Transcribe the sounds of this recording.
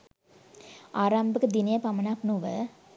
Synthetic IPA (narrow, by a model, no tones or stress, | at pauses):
aːɾaːmbɯkːɯd̪inɪjɐpɐmɐnaːpnuʋə̰